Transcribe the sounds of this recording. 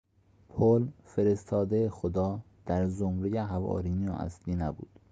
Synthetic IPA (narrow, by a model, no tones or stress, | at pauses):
pʰolfeɾe̞st̪ʰɒːd̪eexod̪ɒː | d̪̥æɾzomɾejeɦævɒ̰ːɾiːnioæ̰sliːnæbṵːd̪̥